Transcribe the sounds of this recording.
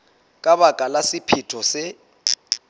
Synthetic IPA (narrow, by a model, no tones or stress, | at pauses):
kʼaβakʼalasipʰitʰɔsɪ